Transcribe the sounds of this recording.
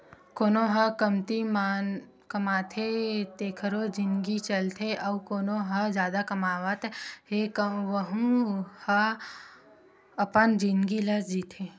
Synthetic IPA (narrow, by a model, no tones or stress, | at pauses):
koːnõɦɐkəmt̪imaːn | kəmaːt̪ʰet̪eːkʰəɾod͡ʒɪnɡit͡ʃəlt̪ʰeʔɐʋkoːnoɦɐzjaːd̪akɐmaːʋət̪ɦekəʋəɦũhə | ɐpənd͡ʒɪnɡilɐsd͡ʒiːt̪ʰe